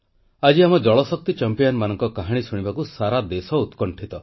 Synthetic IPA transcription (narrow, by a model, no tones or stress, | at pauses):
ad͡ʒiamɔd͡ʒɔɭɔsɔk̚t̪it͡ʃampijɔnmanɔŋkɔkaɦaɽ̃isuɽ̃ibakusaɾad̪esɔut̪kɔɳʈʰit̪ɔ